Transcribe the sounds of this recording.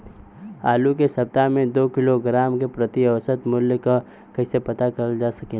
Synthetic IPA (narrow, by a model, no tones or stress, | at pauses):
a̰ːluk̬esɐp̚t̪amẽd̪oːkɪloɡɾaːmkepɾɐt̪iɐʋsət̪mʊljka | kɐɦisepɐt̪akɐld͡ʒaːsɐkẽ